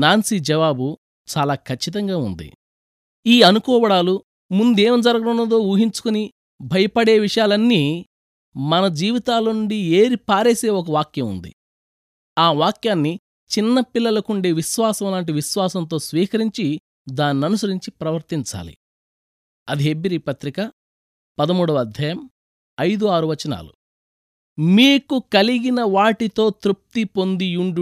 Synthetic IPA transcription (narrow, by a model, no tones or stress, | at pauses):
naːnsid͡ʒɛʋaːbu | t͡ʃaːlaːkʰɐt͡ʃːit̪̬ɐŋɡaːund̪ḭ | iːɐnukɔːʋɐɽaːlu | mund̪e̞ːmd͡ʒɐɾɐɡɐɽunːɐd̪o̞ːuːɦiɲt͡ʃu̥kuni | bʱɐjɐpɐɽe̞ːʋiʂɐjaːlɐnːiː | mɐnɐd͡ʒiːʋit̪aːluɳɖie̞ːɾipaːɾeːse̞ːɔk̬ɐʋaːkjɐmṵnd̪ḭ | aːʋaːkjaːnːi | t͡ʃinːɐpilːɐlɐkuɳɖeːʋiʃʋaːsɐmɐlaːɳʈ̬iʋiʃʋaːsɐnt̪o̞ːsʋiːkɐɾiɲt͡ʃi | d̪aːnːiɐnusɐɾiɲt͡ʃipɾɐʋɐɾt̪iɲt͡ʃa̰ːlḭ | ɐd̪iɦebiɾipɐt̪ɾikɐ | pɐd̪ɐmuːɽɐʋɐd̪ʱjaːjɐm | ɐjd̪uaːɾuʋɐt͡ʃɐna̰ːlṵ | miːkukɐliɡinɐʋaːʈit̪o̞ːt̪ɾup̚t̪ipond̪iuɳɖu